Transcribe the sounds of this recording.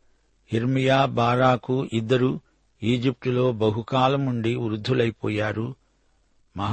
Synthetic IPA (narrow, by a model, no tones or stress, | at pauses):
hiɾmijaːbaːɾaːkuʔid̪ːɐɾu | iːd͡ʒip̚ʈulo̞ːbɐɦukaːlɐmuɳɖiuɾud̪ʱːulɐjipɔ̰ːjaːɾu | mɐɦ